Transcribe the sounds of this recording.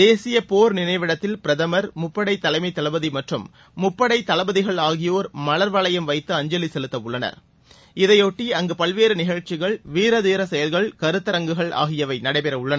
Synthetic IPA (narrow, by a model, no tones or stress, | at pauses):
d̪eːsɪjɐpoːɾnɪnɐɪʋɪɽɐt̪ːɪlpɪɾɐðɐmɐɾmʊpːɐɽɐɪt̪ːɐlɐɪmɐɪt̪ːɐlɐbɐðimɐʈrɯmː | ʊpːɐɽɐɪt̪ːɐlɐbɐðɪɣɐɭaːɣɪjoːɾmɐlɐɾʋɐɭɐjɐmʋɐɪt̪ːɯɐɲd͡ʒɐlisɛlɯt̪ːɐʊɭːɐnɐ̰ɾ | ɪðɐɪoːʈːiɐŋɡɯpɐɭʋeːɾɯnɪɣɐɻt͡ʃːɪɣɐɭʋiːɾɐðiːɾɐsɛjɐlɣɐɭkɐɾɯt̪ːɐɾɐŋɡɯɣɐɭʔa̰ːɣɪjɐʋɐɪnɐɽɐɪpɛɾɐʊɭːɐn